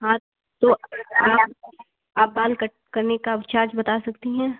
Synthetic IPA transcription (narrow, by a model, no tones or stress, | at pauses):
ɦã | t̪oaːp | aːp̚baːlk | kɐɾnekat͡ʃaːɾt͡ʃbɐt̪asɐkt̪iɦɛ̃ː